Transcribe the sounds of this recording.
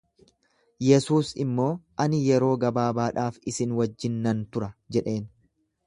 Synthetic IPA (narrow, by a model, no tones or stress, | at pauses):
jɛsuːsɪ̰mːo̞ːʔɐnɪjɛɾo̞ːɡɐbaːbaːᶑaːfɪsɪnwɐd͡ʒːɪnːɐnt̪ʊɾɐd͡ʒɛᶑe̞ːn